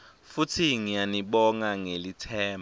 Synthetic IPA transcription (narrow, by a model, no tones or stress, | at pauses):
futʰiŋijaniɓɔŋaŋelitʰɛːm